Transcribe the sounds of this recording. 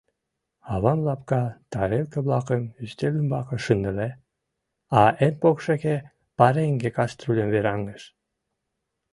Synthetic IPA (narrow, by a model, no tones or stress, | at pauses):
ɑβɑmlɑpkɑt̪ɑɾelkəβlɑkəmyst̪elymbɑkə̆ʃənd̪ə̆le | ɑenpokʃeke | pɑɾeŋɡekɑst̪rulʲəmveɾɑŋəʃ